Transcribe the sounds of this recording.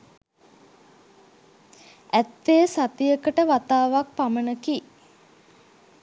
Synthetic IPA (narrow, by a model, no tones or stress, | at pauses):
æt̪ːejəsat̪ijəkəʈəʋat̪aːʋak̚pamənəki